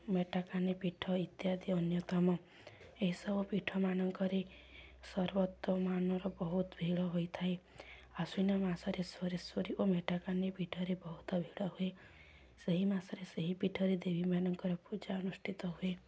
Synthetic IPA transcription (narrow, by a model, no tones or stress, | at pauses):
meʈakanepiʈʰɔit̪jad̪iɔnjɔt̪amɔ | eɦisɔbɔpiʈʰɔmanɔŋkɔɾe | sɔɾbɔt̪ːɔmanɔɾɔbɔɦut̪bʱiɭɔɦojt̪ʰae | asujnamasɔɾeswɔɾesɔɾiʔomeʈakanepiʈʰɔɾebɔɦut̪ɔbʱiɽɔɦue | seɦimasɔɾeseɦipiʈʰɔɾed̪ebʱimanɔŋkɔɾɔpud͡ʒaɔnusʈʰit̪ɔɦue